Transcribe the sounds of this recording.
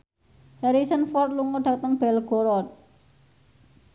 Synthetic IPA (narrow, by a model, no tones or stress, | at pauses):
hɛɾisənfɔrt̪̚luŋoɖ̥a̤t̪əŋb̥ɛlɡ̥oɾɔt̪̚